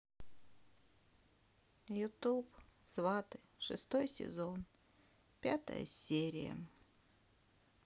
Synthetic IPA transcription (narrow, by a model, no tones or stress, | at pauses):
jʊt̪upsvat̪ɨ | ʂɨ̰st̪ojsʲɪ̰zon | pʲat̪ə̰jə̰sʲeɾʲɪjə̰